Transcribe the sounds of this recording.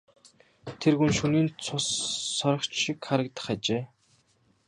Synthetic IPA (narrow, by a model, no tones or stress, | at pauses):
t̪ʰerɣunʃuniːnt͡sʰʊsːɔɾɞ̆χt͡ɕʃikχaɾə̆k̚t̪ə̥̆χat͡ɕeː